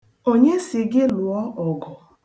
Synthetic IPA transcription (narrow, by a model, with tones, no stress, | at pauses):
o˦ɲe˦sɪ˨ɡɪ˦lʊ˨ɔ˦ʔɔ˨ɡɔ˨